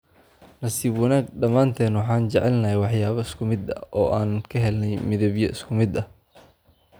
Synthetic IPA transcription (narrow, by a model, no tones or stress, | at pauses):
nɐsiːbwɐnaːɡɖɐmaːnt̪ʰɛːnwɑħɑːnt͡ʃɛʕɛlnɐɛwɑħjaːβɐɪskʰʊmɪd̪ɐ̰ɔːʔaːnkʰɐɦɛlnɛjmɪðɐβjɔ̰ʔɪskʰʊmɪd̪ɐh